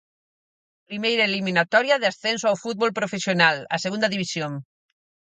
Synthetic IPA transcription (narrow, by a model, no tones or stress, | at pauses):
pɾimejɾaelimĩnat̪ɔɾjaðɪasθɛnsoawfut̪̚βolpɾofesjonala̰seɣũnd̪aðiβisjoŋ